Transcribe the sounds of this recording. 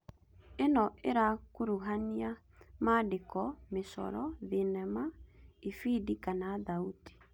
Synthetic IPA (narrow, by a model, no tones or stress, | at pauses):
enɔeɾakoɾuɦania | madekɔmesɔ̰ɾɔðenɛmaifidikanaðauti̥